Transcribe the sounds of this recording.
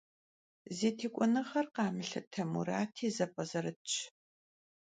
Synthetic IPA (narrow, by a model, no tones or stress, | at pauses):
zeːtʰeːkʷʼɔnɐχɐrqɑːmɨɬɐ̰tʰɐmuɾaːtʰiːzɐpʼɐzɐɾɨt͡ʃʰʼ